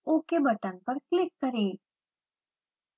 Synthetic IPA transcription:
oːkebɐt̪ənpɐɾklɪkːəɾeː

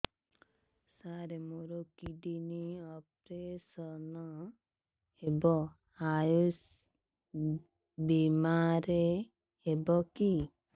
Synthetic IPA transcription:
saɾemoɾokiɖiniɔpɾesɔnɔ | ebɔ | ajus | bimaɾeː | bɔki

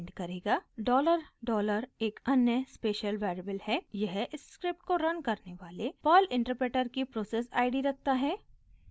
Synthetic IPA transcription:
ɳɖkɐɾeːɡaːɖɔːləɾɖɔːləɾeːkɐnjəspeːʃəlʋɛːɾəbəlhɛjɐɦʔɪsːkɾɪp̚ʈ̚koɾɐnkɐɾneʋaːlepɔːlɪ̃ɳʈəɾpɾeːʈəɾkipɾoːseːsa̰ːɪɖiɾɐk̚ʰt̪aɦɛː

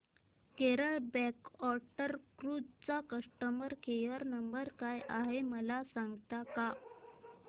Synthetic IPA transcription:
keɾəɭbɛkɔɾʈəɾkɾud͡zt͡sakəʂʈəməɾkejəɾnəmbəɾkajʔaɦeməlasaŋɡt̪aka

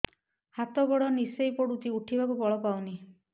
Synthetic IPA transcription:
hat̪ɔbɔɽɔnisejpɔɽut̪iuʈʰibakubɔɭɔpawni

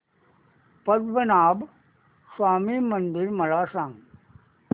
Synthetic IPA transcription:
pɐd̪ʋɐnaːb | swaːmimɐnd̪ɪɾmɐlaːʂaːŋ

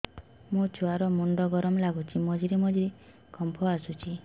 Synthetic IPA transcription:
mut͡ʃʰuaɾɔmuɳɖɔɡɔɾɔmlaɡut͡ʃʰimɔd͡ʒiɾimɔd͡ʒiɾi | kɔmpʰɔasut͡ʃi

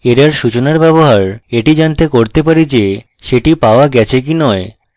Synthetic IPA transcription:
eɾaɾʃut͡ɕonaɾbɛboɦaɾeʈid͡ʑant̪ekoɾt̪epaɾid͡ʑe | ʃeʈipaoaɡɛt͡ɕʰek̬inɔe

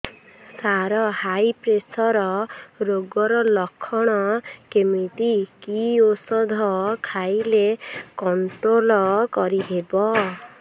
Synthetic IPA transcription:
saɾɔhajpɾesɔɾɔɾoɡɔɾɔlɔkʰːɔɽ̃ɔkemiʈ̪ikiosɔd̪ʱɔkʰajlekɔɳʈɾolɔkɔɾiɦebɔ

